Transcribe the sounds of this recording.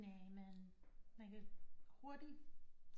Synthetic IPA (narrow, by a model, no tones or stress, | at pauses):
nɛmænmænkʰæho̝ɐd̥i̥